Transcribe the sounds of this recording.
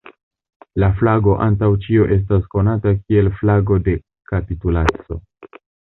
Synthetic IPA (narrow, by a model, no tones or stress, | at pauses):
laflaɡo̞ʔa̰ntawt͡ʃio̞ʔe̞s̬tasko̞natakie̞lflaɡo̞de̞ | kapitulat͡so̞̰